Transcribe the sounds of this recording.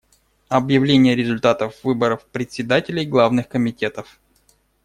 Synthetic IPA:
ɐbjɪvlʲenʲɪjəɾʲɪzʊlʲt̪at̪əfvɨbəɾəfpɾʲɪt̪ʲsʲɪd̪atʲɪlʲɪjɡlˠavnɨxkəmʲɪtʲe̞t̪əf

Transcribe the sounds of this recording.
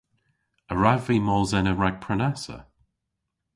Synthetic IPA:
əɹavimɔlzɛnəɹaɡ̥̚pʰɹənasə̰

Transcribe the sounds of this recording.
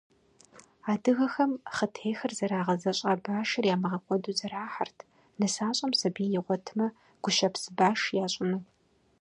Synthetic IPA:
aːdɨɣɐxɐmχətʰeːxɐrzɐɾaːʁɐzɐɕʼɐbaːʂɐrjaːmɨʁɐkʷʼɔduːzɐɾaːħa̰rtʰ | nɨsaːɕʼɐmsɐbiːjɪʁʷɔtʰɨmɐ | ɡ̥ʷʊʃɐpsɨbaːʂjaːɕʼɪnuː

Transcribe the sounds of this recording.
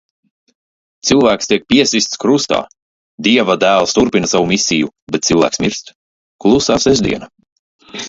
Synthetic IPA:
t̪sɨlˠvæːkst̪iɛk̚pʲiɛsist̪skɾust̪a̰ː | d̪iɛvad̪æːlˠst̪uɾpinasavumʲisʲijubeɛt̪̚t̪silˠvæ̰ːksmiɾst̪ | klˠusaːsɛʒd̪ʲḭɛna

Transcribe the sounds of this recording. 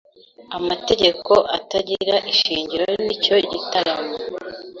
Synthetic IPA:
amate̞ɟe̞kʰo̞ʔataɟiɾaʔiʃiːɲɟiɾonico̞ɟitaɡama

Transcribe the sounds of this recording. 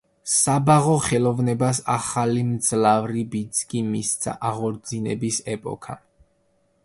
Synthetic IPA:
sabaʁɔχɛlˠɔvnɛbasa̰χalimd̪zlavɾibit̪sʰkʼimist̪sʰa̰ʔaʁɔɾd̪zinɛ̰bisɛpʼɔ̰kʰa̰

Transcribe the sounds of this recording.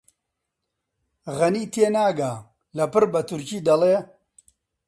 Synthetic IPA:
ɣɐniːt̪ʰenaːɡaː | lɐpɨɾbɐt̪ʰuɾkiːd̪ɐleː

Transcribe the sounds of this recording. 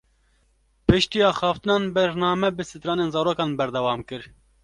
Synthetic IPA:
pɨʃt̪iːɑːxɑːft̪ɨnɑːnbɛɾnɑːmɛbɨsɨt̪ɾɑːneːnzɑːɾoːkɑːnbɛɾd̪ɛwɑːmkɨɾ

